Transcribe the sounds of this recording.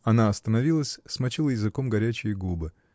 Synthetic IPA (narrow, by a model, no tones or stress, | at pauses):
ɐnaɐst̪ənɐvʲilˠəsʲsmɐt͡ɕilˠəjɪzɨko̞mɡɐɾʲæt͡ɕɪjəɡubɨ